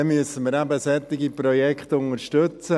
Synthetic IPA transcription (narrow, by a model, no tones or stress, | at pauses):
ɛmyəsənməːɾæbəsɛt̪ɪɡiprɔjɛkχt̪ʊnəɾʃtʏt͡sə